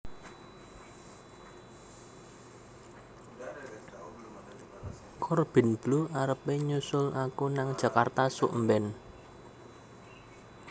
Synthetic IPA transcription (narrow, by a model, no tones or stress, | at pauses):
kʰɔrb̥ɪ̤nb̥luaɾəpeɲusʊlʔakunaŋd̥ʒ̥ä̤kart̪asuʔmbɛn